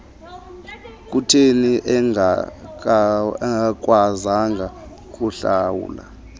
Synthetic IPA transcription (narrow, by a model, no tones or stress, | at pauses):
k̬ʼutʰeniʔɛa | k̬ʼwazaŋɡʱa | kʼuɬawṵːla̰